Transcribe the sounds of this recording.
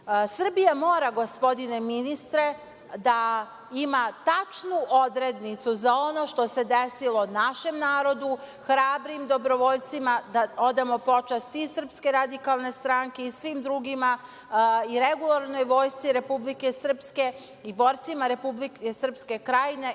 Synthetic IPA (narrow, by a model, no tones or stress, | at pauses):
sr̩bijamo̞ːɾaɡo̞spo̞d̪ine̞minist̪ɾe̞ | d̪a | imat̪at͡ʃnuʔo̞d̪ɾe̞d̪nit̪suzao̞no̞ʃt̪o̞se̞d̪esilo̞naʃe̞mnaːɾo̞d̪u | xɾaːbɾimd̪o̞bɾo̞ʋo̞ʎt̪simad̪ao̞d̪amo̞po̞t͡ʃast̪isr̩pske̞ɾad̪ikalˠne̞st̪ɾaːŋke̞isʋimd̪ɾuɡima | iɾe̞ɡulˠaɾno̞jʋo̞ːjst̪siɾe̞publike̞sər̩pske̞ | ibo̞ːɾt̪simaɾe̞publikesr̩pske̞kɾajine̞